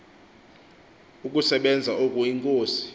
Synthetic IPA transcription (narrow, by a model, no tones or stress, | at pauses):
uk̬ʼusɛɓɛnd͡zʱaʔokʼuiŋkʼoːsi̥